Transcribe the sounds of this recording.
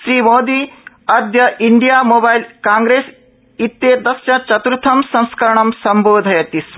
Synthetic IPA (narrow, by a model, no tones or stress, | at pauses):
ʃɾiːmoːd̪iː | ɐd̪jɐʔiɳɖijamobajlkãːŋɡɾeːs | it̪ːeːd̪ɐsjɐt͡ʃɐt̪ɾt̪ʰɐmsɐ̃w̃skɐɾɐɳɐmsɐmboːd̪ʱɐjɐt̪is